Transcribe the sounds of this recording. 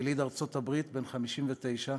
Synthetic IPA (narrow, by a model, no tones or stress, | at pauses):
lid̪aʁt͡so̞t̪abʁit̪be̞nχamiʃimvet̪e̞jʃa